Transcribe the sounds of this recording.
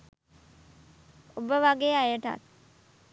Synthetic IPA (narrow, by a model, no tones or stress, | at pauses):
obəʋaɡeːajəʈa̰t̪̚